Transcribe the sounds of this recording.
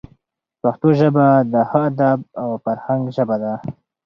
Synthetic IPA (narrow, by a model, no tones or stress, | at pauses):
paxt̪oʒəbad̪əhaad̪ab̚awfaɾhaŋɡʒəbad̪a